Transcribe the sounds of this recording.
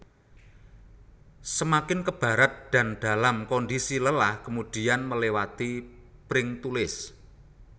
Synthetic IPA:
səmakɪnkəb̥a̤ɾat̪̚d̪̥a̤nd̪̥a̤lamkɔndisiləlahkəmud̪̥i̤anməlewat̪ipɾɪŋt̪ulɪs

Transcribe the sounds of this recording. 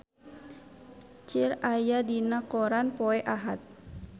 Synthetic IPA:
t͡ʃirajadinakɔɾanpɔɛʔaɦat̪̚

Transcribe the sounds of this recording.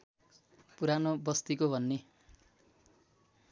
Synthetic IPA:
puɾanobʌst̪ikobʱʌnːe

